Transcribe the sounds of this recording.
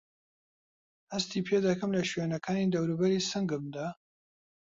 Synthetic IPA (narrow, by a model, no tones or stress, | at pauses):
hɐst̪iːpʰed̪ɐkɐmlɐʃɥeːnɐkʰaːniːd̪ɐwɾubɐɾiːsɨŋɡɨmd̪aː